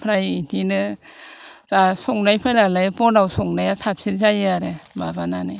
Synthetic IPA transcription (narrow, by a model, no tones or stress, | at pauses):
pʰɾajintʰinɯ | zasɔŋnajpʰajlalajpɔnawsɔŋnajatʰap̚sinzajɯaɾemabananɯj